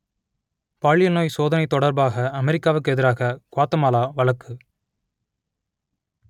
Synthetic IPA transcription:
paːɭɪjɐnoːjsoːðɐnɐɪt̪ːɔɽɐɾbaːɣɐɐmɛɾɪkːaːʋɯkːɯɛðɪɾaːɣɐkʊaːt̪ːɐmaːlaːʋɐɭɐkːɯ

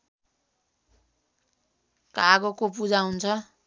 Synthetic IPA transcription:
kaɡokopud͡zawunt͡sʰʌ

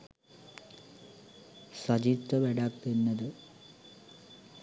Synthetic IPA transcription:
sɐd͡ʑit̪ːɐʋeɽaːk̚t̪ːinːɐðɨ

